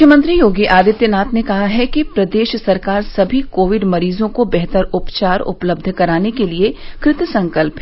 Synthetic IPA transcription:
kʰjəmə̃nt̪ɾijoːɡiʔaːd̪ɪt̪jənaːt̪nekɐɦaɦɛkipɾɐd̪eːʃsɐɾkaːɾsɐbʱikoːʋɪɖmɐɾiːzõkobɛɦt̪əɾʊpt͡ʃaːɾʊ̰pləb̚d̪ʱkɐɾaːnekeliekɾɪt̪sɐ̃ŋkəlpɦ

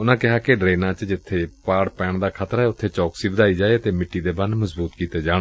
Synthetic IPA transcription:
ʊnãːkɪɦaːkɪɖɾeːnãːt͡ʃd͡ʒɪt̪ʰːeːpaːɽpɛːɳd̪aːkʰaːt̪ɾɦɛːʊt̪ʰːeːt͡ʃɔːksiːbəd̪aːiːd͡ʒaːeːt̪eːmɪʈːiːd̪eːbanməzbuːt̪kiːt̪eːd͡ʒaː

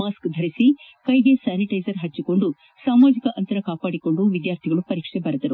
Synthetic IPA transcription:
aːskd̪ʱɐɾisi | kɐjɡe̞saːniʈɐjzɐɾɦɐt͡ʃːiko̞ɳɖu | saːmaːd͡ʒikɐʔɐnt̪ɐɾɐkaːpaːɽiko̞ɳɖuʋid̪jaːɾt̪ʰiɡɐɭupɐɾiːkʂebɐɾɐd̪ɐɾu

